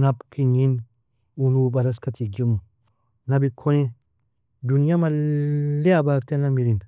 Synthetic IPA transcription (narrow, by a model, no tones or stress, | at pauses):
napkʰiɲin | unubaɾaskatiɡim | nabikʰone | dunijamaleabatenamiɾin